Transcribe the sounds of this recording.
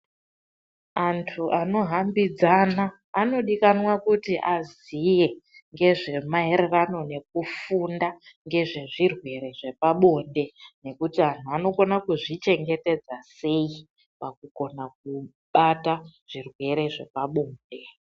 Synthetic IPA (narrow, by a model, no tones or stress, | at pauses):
antʰuʔano̞ɦambid͡zanaː | no̞ɗikanwakutiʔazije̞ŋɡe̞ʐe̞maeɾerano̞ne̞k̚ufundaŋɡe̞ʐe̞ʐirwe̞ɾe̞ʐe̞paɓo̞nde̞ne̞kutian̤uano̞ko̞nakuʐit͡ʃe̞ŋɡe̞te̞d͡zase̞ji | pakuɡo̞nak̚u | ɓataʐ̥irwe̞ɾe̞ʐe̞paɓo̞ːnde̞